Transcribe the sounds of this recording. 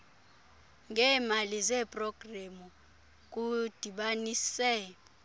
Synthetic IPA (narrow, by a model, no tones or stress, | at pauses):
ŋɛːmalizɛpʼrɔɡ̥ramu | k̬ʼud̥ʱiɓanisɛ